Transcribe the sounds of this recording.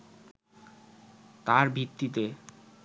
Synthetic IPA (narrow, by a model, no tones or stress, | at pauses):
t̪aɾbʱit̪ːit̪e